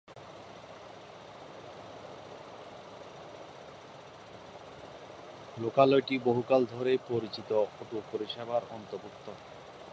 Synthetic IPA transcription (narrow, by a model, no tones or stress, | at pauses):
lokalɔjʈiboɦukald̪ʱɔɾepoɾit͡ɕit̪ooʈupoɾiʃɛbaɾɔnt̪obuk̚t̪o